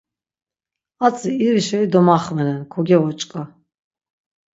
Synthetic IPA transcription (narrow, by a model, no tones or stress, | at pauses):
at͡sʼiːɾiʃɛid̪ɔmaχmɛnɛnkʰɔɡɛvɔt͡ʃʼkʼa